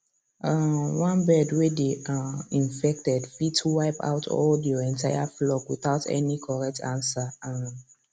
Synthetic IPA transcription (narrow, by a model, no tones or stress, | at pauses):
awãnbɛdwedeãĩɱfɛk̚tɛdfitʰwaɪpa̰ʊtʰɔ̰ldjɔɛ̃ntʰajaflɔkwiθaʊtʰɛ̰nikʰɔɹɛk̚tʰãnsaã